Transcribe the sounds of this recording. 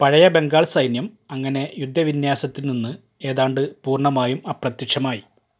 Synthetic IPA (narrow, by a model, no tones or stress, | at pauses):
pɐɻɐjɐbe̞ŋɡaːɭsɐjnjɐm | ɐŋːɐne̞jud̪ʱːɐʋinjaːsɐt̪ːilninːɨ | e̞ːðaːɳɖɨpuːrɳɐmaːjumɐːprɐt̪jɐkʂɐmaːji